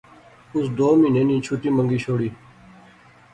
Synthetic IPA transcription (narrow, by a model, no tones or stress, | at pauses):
ʊsd̪oːmĩːneːnĩːt͡ɕʰuʈiːmə̃ŋɡiːɕoːɽiː